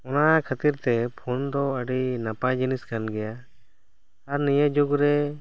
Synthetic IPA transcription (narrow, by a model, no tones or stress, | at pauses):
ɔnakʰat̪iɾt̪ɛpʰond̪ɔəɖinapajd͡ʒiniskanɡɛja | aɾnijəd͡ʒuɡɾɛ